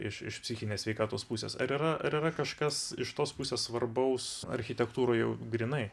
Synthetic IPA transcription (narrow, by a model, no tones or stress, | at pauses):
ɪʃɪ̰ʃpʲsʲɪxʲɪnʲeːssʲʋʲɛɪkɑːt̪oːspusʲḛːsɐ̰ɾiːɾɐɐ̰ɾiːɾɐkɐʃkɐsɪʃt̪oːspusʲeːssʋɐrbɐʊsɐ̰ɾʲxʲɪt̪ʲɛkt̪uːɾoːjɛʊɡɾʲinɐɪ